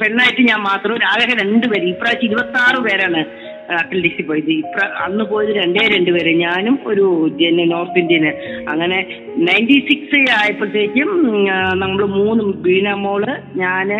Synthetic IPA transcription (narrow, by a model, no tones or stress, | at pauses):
peɳːaːjiʈːɨɲaːnmaːt̪rɐmɾaːɡɐɦɐɾe̞ɳɖɨpeɾumipːrat͡ɕːiɾubɐt̪ːaːrɨpeːɾaːɳɨ | ɐʈːɐlɖisipoːjiðɨipːrɐʔɐ̰nːɨpo̞ːjiðɨɾe̞ɳɖeːɾe̞ɳɖɨpeːɾeɲaːnumo̞ɾud͡ʑenɐno̞ːrt̪indiɐnɨɐŋːɐne̞ | nɐjndisiksaːjipːɐt͡ɕːeːikʲːɨmnɐmːuɭɨmuːnːɨbiːnɐmːoːɭɨɲaːn